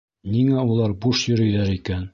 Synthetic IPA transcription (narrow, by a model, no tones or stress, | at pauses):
niŋæulˠɑɾbuʃjɵ̆ɾɵ̆jðæɾikæn